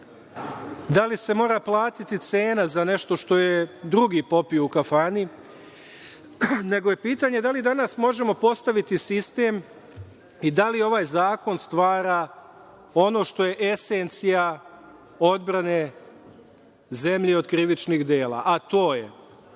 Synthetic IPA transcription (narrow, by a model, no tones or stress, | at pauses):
d̪alise̞mo̞ːɾaplˠaːt̪it̪it̪seːnazane̞ʃt̪o̞ʃt̪o̞je̞d̪ɾuɡipo̞pijoukafaːni | ne̞ɡo̞je̞piːt̪aːɲe̞d̪alid̪anasmo̞ʒe̞mo̞po̞st̪aʋit̪isist̪e̞m | id̪alio̞ʋaːjzaːko̞nst̪ʋaːɾa | o̞no̞ʃt̪o̞je̞ʔe̞sent̪sija | o̞d̪̚bɾane̞ | ze̞mʎeo̞d̪kɾiʋit͡ʃnixd̪e̞ːlˠa̰ʔat̪o̞ːje